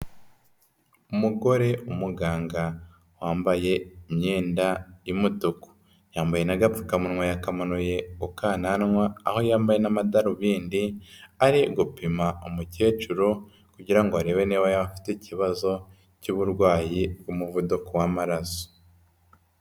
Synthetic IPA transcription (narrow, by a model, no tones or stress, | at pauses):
umuɡo̞ɾe̞umuɡaːŋɡa | waːmbaje̞iɲɲeːndaimutuko̥ | jaːmbaje̞naɡafu̥kamunwajakamanuje̞ukaːnanŋwaːho̞jaːmbaje̞namadaɾuβiːndiaɾiɡupimaumuce̞ːt͡ʃuɾo̞ | kuɟiɾaŋɡoaɾe̞ːwe̞neːβajaβafi̥teciβazo̞ | cuβuɾɡwaːjiɡumuvudukowamaɾaso̥